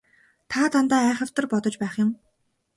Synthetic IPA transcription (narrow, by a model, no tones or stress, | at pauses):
t̪ʰaːt̪ʰant̪aːæːχə̆w̥t̪ə̆rpɔt̪ɞ̆t͡ɕpæːχjʊ̆m